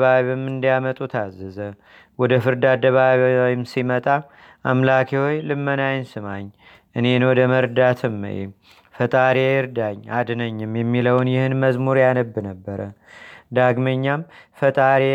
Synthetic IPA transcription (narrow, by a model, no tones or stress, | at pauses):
βaβiβɨmːɨnd̪jamət̪ʼut̪ʰazːɨzə | wɔd̪əfɨɾd̪ad̪əβaβiojɪmsimət̪ʼa | ʔamlakʰihojlɨmːənajɪnsɨmaɲː | ʔɨne̞nwɔd̪əməɾd̪at̪ʰɨmːə̰jḛ | fət̪ʼaɾejɪɾd̪aɲːad̪nəɲːɨmjɛmːiləwnjɪhɨnməzmuɾjanəbːɨnəbːəɾəd̪aɡməɲːamfət̪ʼaɾe